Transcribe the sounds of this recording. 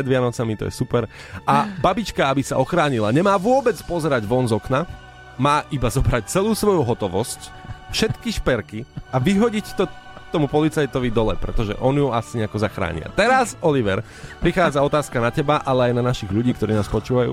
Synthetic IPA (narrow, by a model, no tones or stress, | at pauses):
pɾɛd̪ʋɪanɔt͡samit̪ɔ̰jɛ̰supɛɾ | ʔababit͡ʃkaabisaʔɔxɾaːɲilaɲɛmaːʋʊɔbɛt͡spɔzɛɾaɟʋɔnzɔkna | maːʔibazɔbɾac̚t͡sɛluːsʋɔjuɦɔt̪ɔʋɔsc | fʃɛt̪kiʃpɛɾkiaʋiɦɔɟict̪ɔ | t̪ɔmupɔlit͡sajt̪ɔʋid̪ɔlɛ̰pɾɛt̪ɔʒɛ̰ʔɔnjuasiɲɛakɔzaxɾa̰ːɲɪ̰a̰t̪ɛɾasɔliʋɛɾ | pɾixaːd͡zaɔt̪aːskanacɛbaʔalɛajnanaʃiɣʎuɟiːk̚t̪ɔɾiːnaːspɔt͡ʃuːʋajṵː